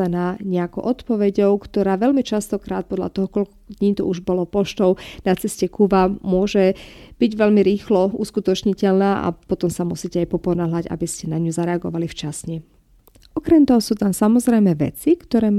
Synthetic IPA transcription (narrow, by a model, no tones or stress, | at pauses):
anaːɲɛakɔʊʔɔt̪pɔʋɛɟɔʊkt̪ɔɾaːʋɛʎmit͡ʃast̪ɔkɾaːt̪̚pɔd̪ʎa̰t̪ɔɦɔkɔlk | d̪ɲiːt̪ɔ̰uʒbɔlɔpɔʃt̪ɔʊnat͡sɛscɛkubamʊɔʒɛb̥iɟʋɛʎmiɾiːxlɔuskut̪ɔt͡ʃɲicɛʎnaːʔa̰pɔt̪ɔmsamusiːcɛajpɔpɔnaɦlaɟa̰biscɛnaɲuzaɾɛaɡɔ̰ʋalift͡ʃasɲɛ | ʔɔkɾɛmt̪ɔɦɔsuːt̪ansamɔzɾɛjmɛʋɛ̰t͡sikt̪ɔɾɛː